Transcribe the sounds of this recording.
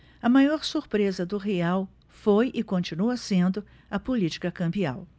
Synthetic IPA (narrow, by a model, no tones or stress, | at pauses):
ɐmajɔɾsuɾpɾezɐd̪ʊɦeaw | fojʔɪkõnt͡ʃinuɐsẽnd̪ʊ | ɐpolit͡ʃi̥kɐkɐ̃mbia̰w